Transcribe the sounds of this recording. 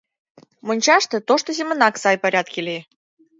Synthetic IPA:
monʲt͡ɕɑʂt̪ə̆t̪oʂt̪ozʲɪmə̆nɑksɑjpɐɾʲat̪̚kʲilʲe

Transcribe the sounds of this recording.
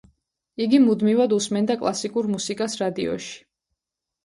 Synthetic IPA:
iɡimud̪mivad̪usmɛnd̪akʼlˠasikʼuɾmusikʼasɾad̪iɔ̰ʃi̥

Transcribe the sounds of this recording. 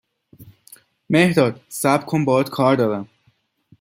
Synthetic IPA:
mehd̪ɒːd̪sæbkʰombɒːd̪kʰɒːɾd̪ɒːɾæm

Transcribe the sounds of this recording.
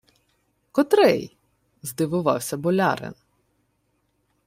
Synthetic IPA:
kɔt̪ɾɛ̰j | zd̪ɪʋʊʋɑwsʲɐbɔlʲɑ̰ɾɪ̰n

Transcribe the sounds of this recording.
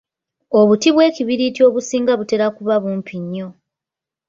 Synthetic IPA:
o̞βutiβwe̞ːciβiɾitio̞ːβusiːŋɡaβute̞ɾakuβaβuːmpʰiɲːo

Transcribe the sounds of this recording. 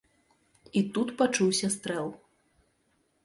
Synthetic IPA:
it̪ut̪pat͡ʂuwsʲɐst̪ɾɛlˠ

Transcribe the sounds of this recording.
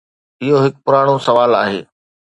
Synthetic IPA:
ɪɦoɦɪk̚pʊɾaːɽ̃osɐʋaːla̰ːɦḛː

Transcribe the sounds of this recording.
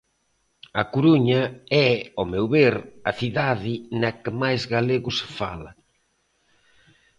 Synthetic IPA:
ɐkuɾuɲɐɛomewβeɾɐθiðaðɪnɐkɪmajzɣaleɣʊsfa̰lɐ̰

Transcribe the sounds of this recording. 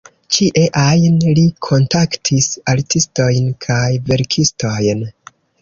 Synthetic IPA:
t͡ʃiʔe̞ʔajnlikʰo̞ntaktʰisaɾtisto̞jnkʰajve̞ɾkʰisto̞jn

